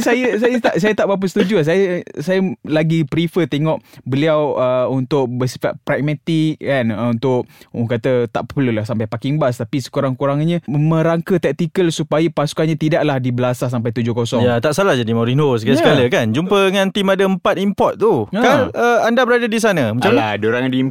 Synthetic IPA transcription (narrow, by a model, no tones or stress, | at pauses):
sajəsajət̪aʔsajət̪aʔbap̬əsə̥t̪ud͡ʒuas̬ajəsajəlaɡipɾifət̪eŋɔʔbəliawəunt̪ʊk̚bəsi̥faʔ̚pɾɛk̚mat̪ik̚kanunt̪ʊʔukat̪ət̪aʔpəpəlulasampajpakɪŋbast̪apisə̥kuɾaŋkuɾaŋɲə̃mə̃ɾaŋkət̪ɛk̚t̪ikəlsupajəpasu̥kanɲãt̪idaʔlahdibəlasas̬ampajt̪ud͡ʒʊkosɔŋjjat̪aʔsalahd͡ʒadimoɾinos̬ɡasəkaləkand͡ʒumpəəŋãnt̪imadəəmpat̪impɔt̪̚ːuaaəandabəɾadadis̬anə̃mə̃t͡ʃaladoɾaŋadii